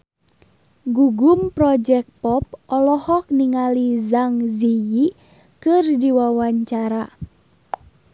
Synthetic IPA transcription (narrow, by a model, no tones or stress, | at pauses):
ɡuɡumpɾɔd͡ʒɛk̚pɔp̚ɔlɔhɔk̚niŋalizaŋziji | kɨrdiwawaɲt͡ʃaɾa